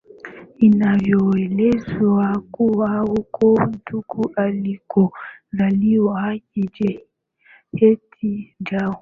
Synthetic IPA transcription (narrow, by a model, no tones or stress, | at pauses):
inavjɔelɛzwakuwahukʰɔmtʰukuʔalikɔzaliwakid͡ʒɛ | hetʰid͡ʒa